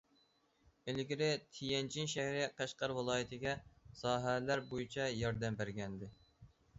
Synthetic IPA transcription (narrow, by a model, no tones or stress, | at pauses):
elɡʲiɾɪt̪ʰijɛnt͡ʃʰinʃæhɾɪqʰɑʃqɑɾwɨlˠɑːjit̪ʰɪɡʲɛsɑːɦælæɾbojit͡ʃʰɛjɑɾd̪ɛmbæɾɡʲɛnd̪ɪ